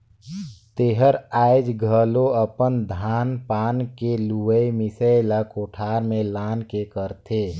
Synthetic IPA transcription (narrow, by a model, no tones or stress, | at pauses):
t̪eːɦəɾaːɪd͡ʒɡʱəloəpənd̪ʱaːnpaːnkeluəimɪsəɪlakoːʈʰaːɾmẽlaːnkekəɾt̪ʰeː